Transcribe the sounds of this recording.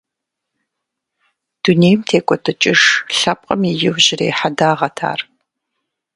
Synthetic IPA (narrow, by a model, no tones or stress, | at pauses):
d̥uneːjmtʰeːkʷʼɔtʰɨt͡ʃʼɪʂɬɐp̚ʼqʼɐmijɪwʑɪreːħadaːʁɐtʰa̰ːr